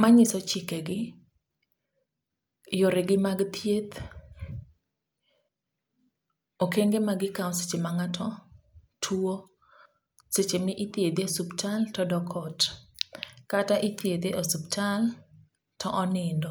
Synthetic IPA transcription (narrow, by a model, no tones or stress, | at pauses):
maɲɪsɔt͡ʃɪkeɡɪ | joɾeɡɪmaɡt̪jet̪ | okeŋɡemaɡɪkaɔset͡ʃemaŋatʰɔtʰuo | set͡ʃemɪʔɪt̪jed̪eosuptʰaltɔdɔkʰɔt | kataʔɪt̪jed̪eʔosuptʰal | tʰɔʔɔnɪndɔ